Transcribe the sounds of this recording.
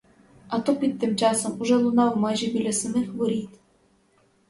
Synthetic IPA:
ɑt̪opʲit̪̚ʲːɘmt͡ɕɑsomuʐɛlˠunɑwmɑʑĭbʲilʲĕsɨ̆mʲɘxʋoɾʲit̪ʲ

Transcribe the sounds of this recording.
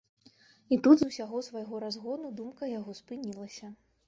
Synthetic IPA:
it̪ud̪zuwsʲaɣɔsvajɣɔɾazɣɔd̪ud̪umkɐjaɣɔspɨnʲilˠɐsʲɐ

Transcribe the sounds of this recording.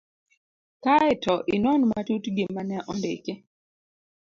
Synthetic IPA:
kaɛtɔʔɪnɔnmatutɡɪmanɛʔɔndḛke

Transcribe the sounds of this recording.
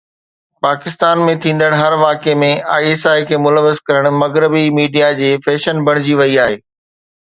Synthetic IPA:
paːkɪst̪aːnmẽt̪ʰĩːn̆d̪əɽ̃ɦɐɾʋaːkemẽaːeːsaːikʰeːmʊləʋɪzkɐɾəɽ̃mɐɣɾɪbimiːɖijad͡ʑeːfɛːʃənbʱɐɽ̃ɪd͡ʑiʋɐiaːɦeː

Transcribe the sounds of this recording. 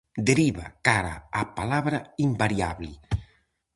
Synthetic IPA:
d̪eɾiβa̰kaɾa̰apalaβɾaimbaɾia̰βli

